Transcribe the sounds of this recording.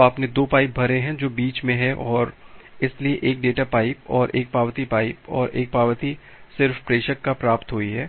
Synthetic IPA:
aːpned̪oːpaːɪp̚bʱɐɾeɦɛ̃d͡ʒoːbiːt͡ʃmẽɦɛʔɔːɾɪslieʔeːk̚ɖeːʈapaːɪipɔːɾʔeːk̚paːʋt̪ipaːɪpɔ̰ːɾʔeːk̚paːʋt̪i | sɪɾfpɾeːʃəkːapɾaːpt̪ɦoːiɦɛː

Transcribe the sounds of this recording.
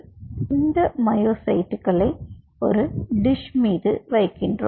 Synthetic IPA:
ɪnd̪ɐmɐjoːsɐjʈːɯkːɐɭɐɪ | ɔ̰ɾɯɖɪʂmiːðɯʋɐjkːɪndrɯ̰

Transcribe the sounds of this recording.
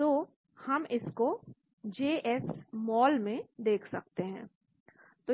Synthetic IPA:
t̪oː | hɐmɪsko | d͡ʒeːʔɛsmɔːlmẽd̪eːkʰsɐk̚t̪eɦɛ̰̃ː | t̪o

